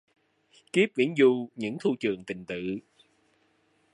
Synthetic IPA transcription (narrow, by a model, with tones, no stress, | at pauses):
ki˦˥p̚vḭ˧˥ənzu˧ɲɨ̰˧˥ŋt̪ʰu˧t͡ɕɨ˨˩əŋt̪ï˨˩ŋ̟t̪ɨ̰˧˨